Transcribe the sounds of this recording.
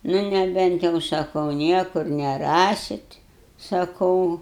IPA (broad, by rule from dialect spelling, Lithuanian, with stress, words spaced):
ˈnʊ nʲɛˈbʲɛnt jɛʊ sɐˈkɐʊ ˈnʲiɛkʊr nʲɛˈrɑːsʲɪt sɐˈkɐʊ